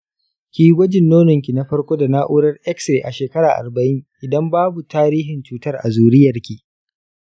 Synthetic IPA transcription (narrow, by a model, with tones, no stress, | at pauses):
kʲiː˦ɡʷɐ˦d͡ʒɪ˨nːoː˦nɔ˨ŋkʲi˨na˦ɸɐ˦rkʷoː˦da˨naː˦ʔʊ˦ɽɐ˦rʔɛ˦kse˨ʔa˨ʃeː˨kɐ˦ɾaː˨ʔa̰˨rbɐ˨ʔɪ˦ŋʔɪ˨dɐ˦mbaː˦bu˨taː˦ɾiː˦ɦɪ˨nt͡ʃuː˦tɐ˦rʔa̰˨zuː˨ɾɪ˦jːɐ˨rkʲi˨ʔ